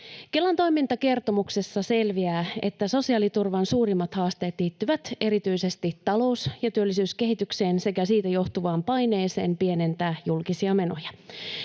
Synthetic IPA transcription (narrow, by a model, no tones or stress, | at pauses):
kelːɑnt̪o̞jmint̪ɑke̞rt̪o̞mukse̞sːɑse̞lʋiæːe̞̰t̪ːæso̞siɑːlit̪urʋɑnsuːɾimːɑt̪hɑːst̪e̞ːt̪liːt̪ːyʋæt̪e̞ɾit̪yise̞st̪it̪ɑlo̞usjɑt̪yølːisyːske̞ɦit̪ykseːnse̞kæsiːt̪æjo̞ht̪uʋɑːmpɑjne̞ːse̞ːmpie̞ne̞nt̪æːjulkisiɑme̞no̞̰jɑ